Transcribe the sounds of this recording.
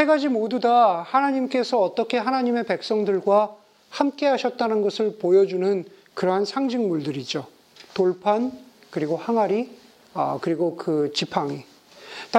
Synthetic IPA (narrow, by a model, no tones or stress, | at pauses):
eɡad͡ʑimodudahanaɲimk͈e̞sʰʌːt͈ʌkʰe̞ɦanaɲime̞pe̞k̚s͈ʌŋdɯɭɡwa | hamk͈e̞ɦaɕʰʌt̚t͈anɯnɡʌsʰɯɭpojʌd͡ʑunɯn | kɯɾʌɦansʰaŋd͡ʑiŋmuɭdɯɾid͡ʑo | toɭpʰankɯɾiɡohaŋɦaɾi | ʌ̰kɯɾiɡokɯt͡ɕipʰaŋi | t